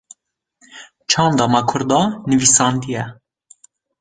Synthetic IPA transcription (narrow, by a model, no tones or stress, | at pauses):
t͡ʃʰɑːnd̪ɑmɑkʰʊɾd̪ɑnɨviːsɑnd̪ijɛ